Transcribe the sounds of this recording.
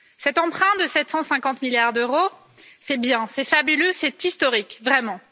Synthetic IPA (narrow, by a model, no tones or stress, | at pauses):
sɛt̪ɑ̃pχɛ̃d̪əsɛt̪sɑ̃sɛ̃kɑ̃t̪miljaʁd̪øʁo | sɛbjɛ̃sɛfabyløsɛt̪ist̪ɔʁikvʁɛmɑ̃